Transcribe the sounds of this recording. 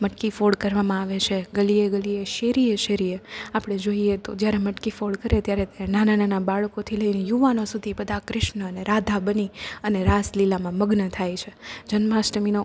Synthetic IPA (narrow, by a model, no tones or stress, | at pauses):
məʈkifoɽkəɾʋamãaʋet͡ʃʰeɡəlieɡəlieʃeɾijeʃeɾijeapɽ̃ed͡ʒoiet̪od͡ʒjaɾeməʈkifoɽkəɾet̪jaɾenanananabaɭkot̪ʰiləinejuʋanosud̪ʱibəd̪ʱakɾɪʃɳəːneɾad̪ʱabəniəneɾaslilamãməɡnət̪ʰajt͡ʃʰed͡ʒənmasʈəmino